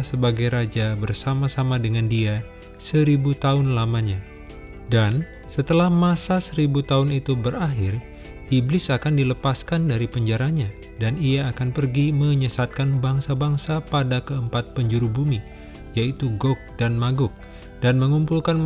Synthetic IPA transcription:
səbaɡajɾad͡ʒabərsamasamadəŋandia | səɾibut̪aʊnlamaɲa | dan | sət̪əlahmasasəɾibut̪aʊnit̪ubəɾaɦɪr | iblɪsakandiləpaskandaɾipəɲd͡ʒaɾaɲa | daniaːkanpərɡiməɲəsat̪̚kanbaŋsabaŋsapadakəəmpat̪̚pəɲd͡ʒuɾubumi | jait̪uɡɔk̚danmaɡʊk̚ | d̥anməŋumpulkan

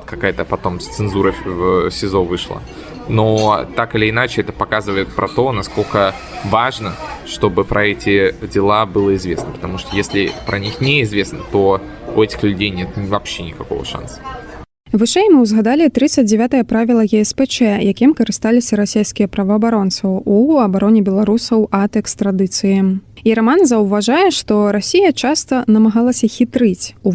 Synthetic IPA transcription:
t̪kɐkajət̪əpɐt̪o̞mst̪sɨnzuɾəvsʲɪzovɨʂlˠə̰ | not̪akɨlʲɪːnat͡ɕɪɛt̪əpɐkazɨvəjɪt̪̚pɾʔɐt̪o̞nɐskolʲkə | vaʐnəʂt̪o̞bɨpɾʔɐɛtʲɪdʲɪlˠabɨlˠəɪzvʲesnəpə̥t̪ɐmuʂt̪ojesʲlʲɪ̰pɾʔɐnʲixnʲeɪzvʲe̞snət̪o̞ | ʊɛtʲɪ̥xlʲʉdʲejnʲet̪ʲvɐpɕːenʲɪkɐko̰və̰ʂa̰nsə̥ | vɨʂɛjmɨwzɣad̪alʲit̪ɾɨt̪səd͡zʲd͡zʲɛvʲat̪ɐjɐpɾavʲilˠɐɣʲɛɛspɛt͡ʂɛjakʲimkɐɾɨst̪alʲɪsʲɐɾasʲejskʲijɛpɾɐvɐːbaɾɔntst̪vɐuɐbaɾɔnʲɛbʲɛlˠaɾusɐwɐt̪ɛkst̪ɾad̪ɨt̪sɨjiiɾamanzɐwvaʐajɛʂt̪ɔɾasʲijɐt͡ʂast̪ɐnɐmaɣalˠɐsʲɐxʲit̪ɾɨt͡sʲu

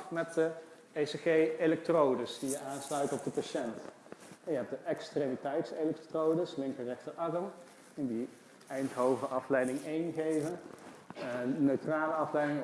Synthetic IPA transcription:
mɛt̚də | eseχejelɛk̚trowdəsdijəaːnslœɥtɔb̚dəpaʃɛnt | ɛjəɦɛp̚d̥əʔɛkstremitɛjtselɛktrowdəslɪŋkərɛχtərʔɑɡəm | əndi | ɛjntɦowvəʔɑflɛjdɪŋejnχejvən | nøɥtraːləɑflɛjdɪŋ

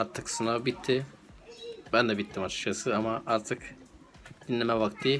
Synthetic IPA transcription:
aɾt̪ʰɯksunavbit̪ʰːi | bænd̪ɛbit̪ʰːimat͡ʃ̪ʃasɯamaʔaɾt̪ʰɯk | d̪̥inːʲɛmɛvak̚t̪ʰːi

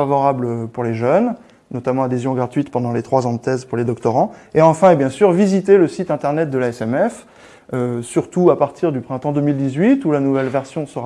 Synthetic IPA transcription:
avɔʁabløpuʁleʒœn | nɔt̪amɑ̃ad̪ezjɔ̃ɡʁat̪ɥit̪pɑ̃d̪ɑ̃let̪χwazɑ̃d̪ət̪ɛzpuʁled̪ɔkt̪ɔʁɑ̃eɑ̃fɛ̃ebjɛ̃syʁvizit̪eləsit̪ɛ̃t̪ɛʁnɛt̪̚d̪əlaɛsɛmɛf | øsyʁt̪uapaʁt̪ʰiʁd̪ypχɛ̃t̪ɑ̃d̪əmild̪izɥit̪ulanuvɛlvɛʁsjɔ̃səʁ

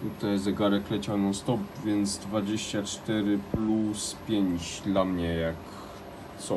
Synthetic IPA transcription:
t̪ut̪ajzɛɡaɾɛklɛt͡ɕanɔ̃st̪ɔpvʲjɛnt̪zd̪vad͡ʑeɕt͡ɕat͡ʂt̪ɛɾɘpluspʲjeɲt͡ɕd̪lamɲɛjak | t̪sɔ

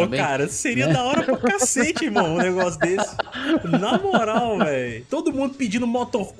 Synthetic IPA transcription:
okaɾɐseɾiɐd̪aɔɾɐpɾʊkaset͡ʃɪmɐ̃w̃ʊ̃nɛɡɔsjʊd̪esɪ̥namoɾawvɛjt̪od̪ʊmũd̪ʊpid͡ʒĩnd̪ʊmot̪oɾ

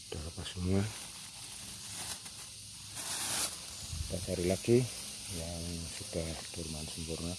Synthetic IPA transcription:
d̥aɾapasuɲa | d̥̪at͡ʃaɾilaɡi | jamasid̪ad̪̥urmansəmpurna

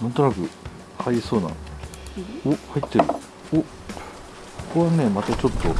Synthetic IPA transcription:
nãnt̪o̞nakɯ̟ | haiso̞ːnã̰n | ohait̪ːe̞ɾɯ̟̰ | o | koβane̞mat̪at͡ɕo̞t̪ːo̞

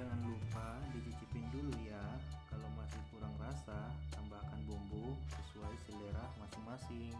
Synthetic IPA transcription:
d͡ʒaŋanlupadidid͡ʒipindulliat̪̚kalowmasɪhkuɾaŋrasat̪ambakanbumbusəsuaisəleɾahmasɪŋmasɪŋ

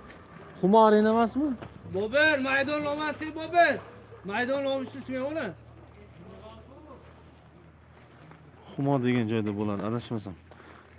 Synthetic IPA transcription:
χʊmɒaɾenamasmɪbɒbeɾmajd̪ɒnlˠɒmasebɒbeɾmajd̪ɒnlˠɒmɪʃɪsmaolˠɪ | χʊmɒd̪e̞ɡʲand͡ʒɒjd̪abolad̪ɪad̪aʃmasam

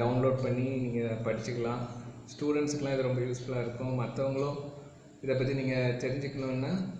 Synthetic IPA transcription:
ɐʊnloːɖpɐɳːiniːŋɡɐpɐɽɪt͡ʃːɯkːɐɭãːsʈuːɽɛɳʈskːɐlãːɪðɯɾɔmbɐjuːsfɐɭaːɪɾɯkːʊ̃mɐt̪ːɐʋɐŋɡɐɭʊ̃ | ɪðɐp̬ːɐt̪̬ːiniːŋɡɐt̪ɛɾɪɲd͡ʒɯkːɐnʊ̃nːaː

